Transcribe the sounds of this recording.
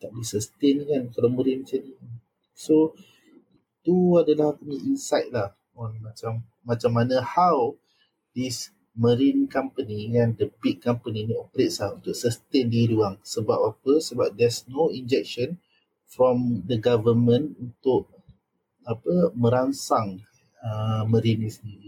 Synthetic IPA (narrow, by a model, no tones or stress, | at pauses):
t̪aʔ̚disəst̪enkankalaməɾinmt͡ʃani | so | i | t̪uadalahapəmiinsajt̚lah | ɔnmat͡ʃamː | at͡ʃamːanə̃haw | dis | məɾinkãmpəniŋãndəbik̚kampəniniɔpəɾet̚slahunt̪ʊʔsəst̪endiɾuaŋsəbap̚apəsəbap̚d̪ɛsnoĩnd͡ʒɛk̚ʃə̃n | fɾɔ̃md̪əɡavəmə̃nunt̪ʊʔ̚ | apəmə̃ɾansaŋ | əməɾinĩsəndiɾi